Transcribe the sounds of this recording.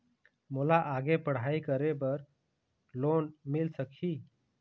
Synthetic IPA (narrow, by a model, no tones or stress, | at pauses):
molaʔaɡepəɽ̤aikəɾebəɾ | lonmilsəkʰiː